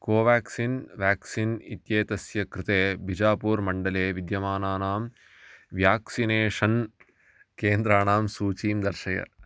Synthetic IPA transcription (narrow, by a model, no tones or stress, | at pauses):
koːʋaːksinʋjaːksinit̪jeːt̪ɐsjɐkɾɪt̪eːbʱid͡ʒaːpuːɾmɐɳɖɐleːʋid̪jɐmaːnaːnaːm | ʋjaːksineːʂɐn | keːnd̪ɾaːnaːmsuːt͡ʃiːmd̪ɐɾʃɐjɐ̰